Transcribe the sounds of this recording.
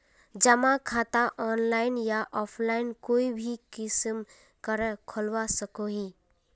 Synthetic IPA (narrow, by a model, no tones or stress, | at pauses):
d͡ʒəmãkʰat̪aʔɔːnlaɪnjaʔɔːpʰlaɪnkoːibʱikɪsm | kəɾəkʰɔlwasəkoɦi